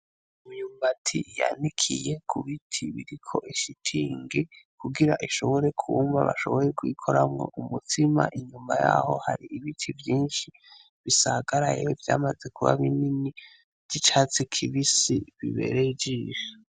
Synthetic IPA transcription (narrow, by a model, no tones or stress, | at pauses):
umujuːmbatʰḭja̰nikʰije̞kʰuβitʰiβiɾikʰo̞ʔiʃitʰiːŋɡekʰuɡiɾaʔiʃo̞βo̞ɾe̞kʰuːmva̰βa̰ʃo̞̰βo̞jekwiːkʰo̞ɾamŋo̞̰ʔumutʰima̰ʔiɲumaja̰ho̞haɾiʔiβitʰivjiːnʃi | βisaɡaɾajeovjaːmazekʰuβa̰βinini | d̥it͡ʃat͡sikʰiβisiβiβe̞̰ɾeid͡ʒije